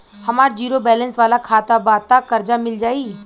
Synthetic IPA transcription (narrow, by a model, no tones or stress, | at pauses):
hɐmaːɾd͡ʒiːɾobɛːlə̃nsʋaːlakʰaːt̪abaːt̪akɐɾd͡ʒamɪld͡ʒaːi